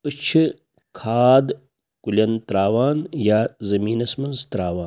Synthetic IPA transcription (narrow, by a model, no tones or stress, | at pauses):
ɨt͡ʃʰi | kʰaːd̪ | kulʲɐnt̪ɾaːʋaːnjaːzɐmiːnɐsmɐnzt̪ɾaːʋaː